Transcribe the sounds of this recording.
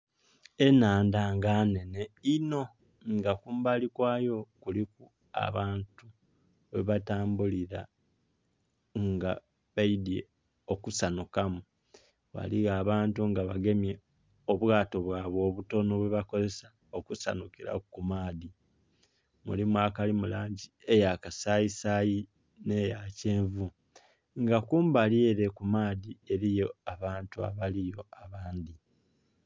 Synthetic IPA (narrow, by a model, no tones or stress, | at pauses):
e̞naːndaŋɡaːne̞ne̞ino̞ | ŋɡakuːmbalikwaːjo̞kuliku | a̰βaːntu | βeβataːmbuliɾa̰ | ŋɡa | βaidje̞̰ | o̞kusanukamu | βa̰liɣaːβaːntuŋɡaβaɡe̞mje̞ | oβwaːto̞βwaːβwo̞ːβuto̞noβweβako̞ze̞sḁ | okusa̰nukiɾa̰kumaːði | mṵlimuakalimulaːɲɟie̞jakasajisaji | ne̞jace̞ːɱvu | ŋɡakuːmbaljeɾe̞kumaːðie̞ɾijo̞aβaːntua̰βalijo̞aβaːnd̪i